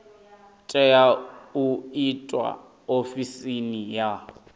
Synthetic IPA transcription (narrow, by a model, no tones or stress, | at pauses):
tʼɛjauitʼwa̰ | ofisinija